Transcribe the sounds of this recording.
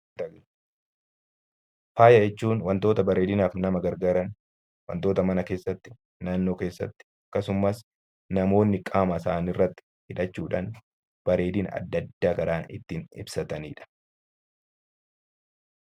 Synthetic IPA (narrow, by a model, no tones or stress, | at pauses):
ɐ | faːjɐd͡ʒɛt͡ʃːuːnwɐnt̪o̞ːt̪ɐbɐɾeːd̪ɪnaːfnɐmɐɡɐɾɡaːɾɐn | wɐ̰nt̪o̞ːt̪ɐmɐnɐkeːsːɐt̪ːɪ | naːnːo̞ːkeːsːɐ̰t̪ːɪ̥ɐkːɐsʊmːɐs | nɐmo̞ːnːɪkʼaːmɐsaːnɪrːɐt̪ːɪ̥ | hɪᶑɐt͡ʃːuːᶑa̰ːn | b̥ɐɾe̞ːd̪ɪːnɐ̰d̪ːɐd̪ːaːkɐɾaːnɪ̰t̪ːiːnɪ̰bsɐt̪ɐniːᶑɐ̥